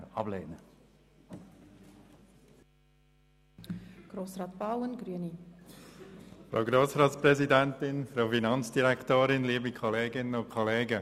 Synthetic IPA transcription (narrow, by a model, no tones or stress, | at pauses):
ɑ̰blḛːnə | ɡ̥ɾoːsrɑːt̪b̥awənɡɾyəni | fɾa̰ʊɡɾoːsɾɑːtspɾɛzidɛntɪnfɾaʊfinɑnt͡sd̥iɾɛktoːɾɪnliːbikʰɔleːɡɪnənʊnkʰɔleːɡə